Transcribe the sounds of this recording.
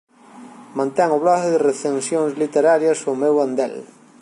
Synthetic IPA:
mãnt̪ɛŋoβlɔkeðereθensjoŋzlit̪eɾaɾjasomewand̪ɛ̰l

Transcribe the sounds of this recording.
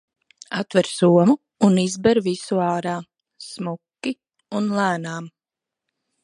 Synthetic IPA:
at̪vɛɾsuɔmuː | nizbɛɾvisuaːɾaː | smukːi | unlˠæːnaːm

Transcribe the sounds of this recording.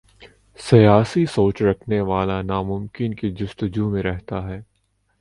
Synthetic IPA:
sɐjaːsisoːt͡ʃɾɐkʰneʋaːlanaːmʊmkɪnkid͡ʒʊst̪ʊd͡ʒumẽɾɛɦt̪aɦɛː

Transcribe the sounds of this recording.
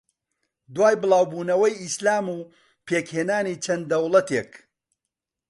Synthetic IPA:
d̪waːjbɨlˠaːwbuːnɐwɐjislaːmuː | pʰeːkheːnaːniːt͡ʃʰɐnd̪ɐwlˠɐt̪ʰeːk

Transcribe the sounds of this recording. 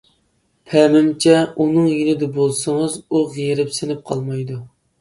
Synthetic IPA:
pʰɛmɪmt͡ʃʰɛunɨŋjinɪd̪ɛbolˠsɨŋɨzuʁijeɾɪpsɪnɪp̚qʰɑlˠmɑjd̪u

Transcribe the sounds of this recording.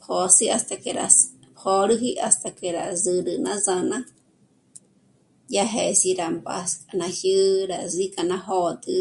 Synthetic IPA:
pʰosiast̪akeɾa̰s | pʰoɾɨɦiʔast̪akeɾa̰zɨɾɨnãzanã | jaɦesiɾamba̰skʼanãhjɨɾazikʼanãhot̪ɨ

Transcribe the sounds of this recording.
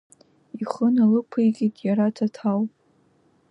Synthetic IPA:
iχənalɨpʷʰɨjkʲʼitʼjaɾatʰatʰawpʼ

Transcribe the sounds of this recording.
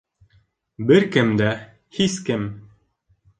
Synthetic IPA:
bɘɾkɘmd̪æ | hiskɘm

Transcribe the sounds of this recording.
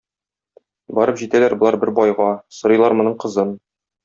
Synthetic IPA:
bɒɾɤpʑit̪ælæɾbŏlˠɑɾbɘɾbɒjʁɑsŏɾɤ̆jlˠɑɾmŏnɤɴqɤ̆zɤn

